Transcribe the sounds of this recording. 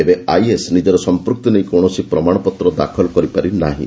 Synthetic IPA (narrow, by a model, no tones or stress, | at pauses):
ebeajesnid͡ʒɔɾɔsɔmpɾuk̚t̪inej̃kɔw̃ɔsipɾɔmaɽ̃ɔpɔt̪ɾɔd̪a̰kʰɔlkɔɾipaɾinaɦḭ̃